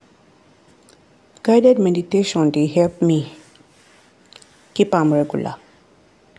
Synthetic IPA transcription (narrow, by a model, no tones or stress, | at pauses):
ɡ̥aɪdɛd̚mɛditeʃɔ̃ndeɦɛlpmi | kipãmɹɛɡṵlʔa̰